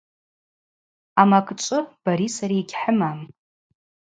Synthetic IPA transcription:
amakʼt͡ʃʷʼʊb̥aɾisaɾiːɡʲħəmam

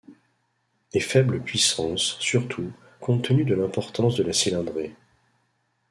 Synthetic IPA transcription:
efɛbləpɥisɑ̃sːyʁt̪ʰu | kʰɔ̃t̪ənyd̪əlɛ̃pɔʁt̪ɑ̃sd̪əlasilɛ̃d̪ʁe

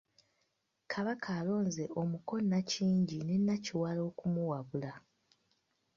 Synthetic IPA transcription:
kʰaβakʰaːlo̞ːnze̞ʔo̞muko̞nːaciːɲɟine̞nːaciwalo̞ːkumuwaβula

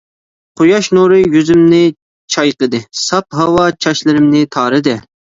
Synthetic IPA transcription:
qʰʊjɑʃnuɾɨjyzymnɪ | t͡ʃʰɑjqəd̪ɨsɑp̚ɦɑwɑt͡ʃʰɑʃlˠɨɾɪmnɪt̪ʰɑːɾɨd̪ɨ

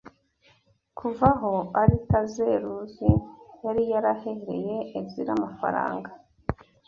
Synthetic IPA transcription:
kʰuvaɦo̞aɾikaze̞ɾuzijaɾijaɾaheeɾe̞̰je̞ːvziɾamafa̰ɾa̰ːŋɡa

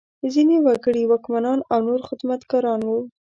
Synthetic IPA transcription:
zinewaɡəɽiwɑkmanɑnawnoɾxɪd̪mat̪kɑɾɑnwu

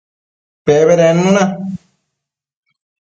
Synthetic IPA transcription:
peβeɾenũũnã

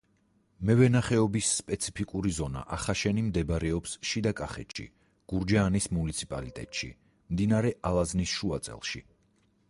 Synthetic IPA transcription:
mɛvɛnaχɛɔbisːpʼɛt̪sʰi̥pʰikʼuɾizɔna̰ʔaχaʃɛnimd̪ɛbɾɛɔpsʃid̪akʼaχɛ̰t̪ʃḭ | ɡ̥uɾd͡ʒaːnismunit̪sʰipʼalit̪ʼɛ̰t̪ʼʃḭ | md̪inaɾɛʔalˠaznisʃuat̪sʼɛ̰lˠʃḭ

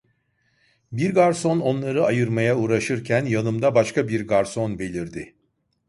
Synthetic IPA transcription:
biɾɡaɾso̞no̞nlˠaɾɯajɯɾmajauɾaʃɯɾcʰænjanɯmd̪abaʃkʰabiɾɡaɾso̞nbe̞lʲiɾd̪ɪ

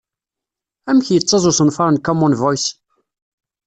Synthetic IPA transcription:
æmçjət͡sˤːɑzˤʊsənfɑɾˤənkɔmunvɔjs

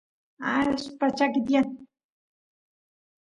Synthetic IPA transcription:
aspat͡ʃakɪt̪jan

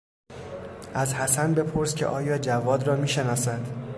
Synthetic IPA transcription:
ʔæzhæsænbe̞pʰoɾscʰe̞̰ʔɒːjɒːd͡ʒævɒːd̪rɒːmiːʃe̞nɒːsæd̪̥

